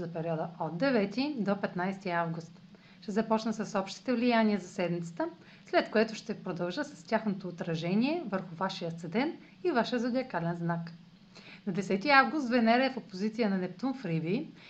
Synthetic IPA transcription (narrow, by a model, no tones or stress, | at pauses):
zɐpɛɾiɔd̪əod̪d̪ɛvɛt̪id̪opɛt̪najst̪iavɡʊst̪ | ʃt̪ɛzɐpɔt͡ʃnəsɐsɔpʃt̪i̥t̪ɛvlijanʲiəzɐsɛd̪mit̪sə̥t̪ə | slɛt̪koɛt̪ʊʃt̪ɛpɾod̪ɐlˠʒəsɐ̥st̪ʲjaxnot̪oːt̪ɾɐʒɛnʲiɛvəɾxʊvaʃijət̪əd̪ɛnt̪ | ivaʃəzɐd̪ʲiɐkalɛnznak | nɐd̪ɛsɛt̪iavɡʊst̪vɛnɛɾɛɛfopozit̪sijənɐnɛpt̪unfɾivi